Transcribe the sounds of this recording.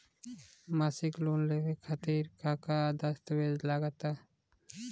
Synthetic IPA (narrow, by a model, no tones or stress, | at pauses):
masikloːnleʋekʰat̪iːɾkʰaːkad̪əst̪ʋed͡ʒlaɡət̪a